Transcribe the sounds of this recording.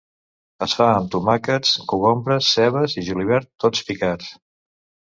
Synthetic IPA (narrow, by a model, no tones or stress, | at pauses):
əsfaəmt̪umakət͡skuβɔmbɾəsːɛβəziʒuliβ̞ɛɾt̪ːot͡spikat͡s